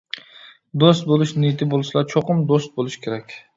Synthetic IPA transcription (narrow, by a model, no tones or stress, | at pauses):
d̪ost̪̚bolˠɪʃnɪt̪ʰɪbolˠʃlˠat͡ʃʰoqʰʊmd̪ost̪̚bolˠɪʃkʲʰe̞ɾakʲ